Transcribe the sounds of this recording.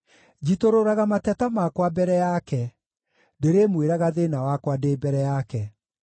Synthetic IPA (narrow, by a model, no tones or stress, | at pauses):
d͡ʑitoɾoɾaɣamatɛtamakwabɛɾɛjakɛ | deɾemweɾaɣaðenawakwadebɛɾɛjakɛ